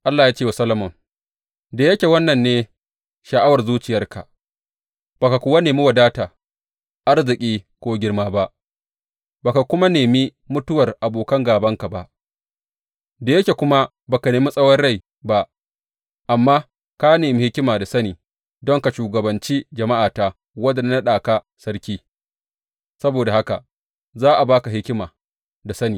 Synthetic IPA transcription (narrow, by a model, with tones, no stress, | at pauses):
ʔa˦lːaː˨jaː˦t͡ʃeː˦˨wa˨sɐ˦lɐ˦mɔ˨ŋ | da˨jɐ˦kʲe˨wɐ˦nːɐ˨nːeː˦ | ʃɐ˨ʔa˦wɐ˨rzuː˦t͡ʃɪ˨jɐ˦rka˨ | b̥a˨ka˨kʷʊ˨wa˦neː˨mi˦wɐ˨daː˦taː˨ | ʔa˦rzɪ˨kʲʼiː˦kʷoː˦ɡʲɪ˦rmaː˦ba˦ʔ | baː˨ka˨kʷʊ˦ma˦neː˨mi˦ | mʊ˦tʊ˦wɐ˨rʔa˨boː˨kɐ˦ŋɡaː˨bɐ˦ŋka˨ba˦ʔ | da˨jɐ˦kʲe˨kʷʊ˦ma˦ | baː˨ka˨neː˨mi˦sʼɐ˦wɐ˦rɽa˦˨j | ba˦ʔ | ʔa˨mːaː˦ | ka˦neː˨mi˦hɪ˦kʲɪ˦maː˨da˨sɐ˦niː˨ | dɔ˦ŋka˨ʃuː˨ɡɐ˨bɐ˨nt͡ʃiː˦d͡ʒɐ˨ma˦ʔaː˨taː˦ | wɐ˦dɐ˨nː˦a˦ɗaː˨ka˨ | sɐ˦ɾkʲiː˦ | sɐ˦boː˨da˨ha˦ka˨ | zaː˦ʔa˨baː˦ka˨ɦɪ˦kʲɪ˦maː˨ | da˨sɐ˦niː˨